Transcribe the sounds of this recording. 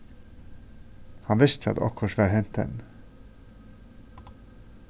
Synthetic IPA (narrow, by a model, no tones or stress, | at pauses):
hɑnʋɪst̪ʰəɑ̰d̪ɔ̰kʰhɔʃʋæːɾhɛnt̪̚d̪ɛ̰n